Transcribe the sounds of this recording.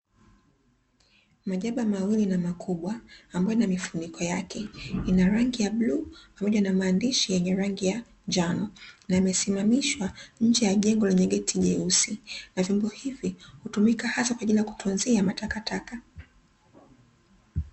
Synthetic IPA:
maʄaɓamawilinamakʰuɓwaːmbaɔjnamifunikʰɔjakɛinaɾaŋɡijaɓluːpamɔʄanamaːndiʃijɛɲɛɾaŋɡija | d͡ʒanɔnajamɛsimamiʃwaɲ̩d͡ʒɛjaʄɛŋɡɔlɛɲɛɠɛtʰiʄɛusinavjɔmbɔhivihutumikahasakwaʄilijaku̥tʰunziamatakataka

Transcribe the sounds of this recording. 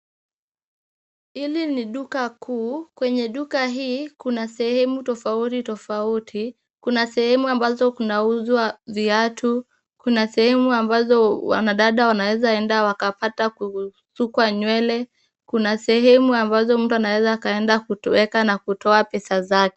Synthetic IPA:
iliniɗukakuːkwɛɲɛɗukaɦiːkunasɛhɛmutɔfautitɔfautʰi | kunasɛhɛmuambazɔkunauzwaviatu | kunasɛhɛmuambazɔwa̰naɗaɗawanawɛzaɛndawakapataku | sukwaɲwɛlɛ | kunasɛhɛmuambazɔm̩tuanawɛzaːkaɛndakuwɛkanakutʰɔapɛsazakɛ̥

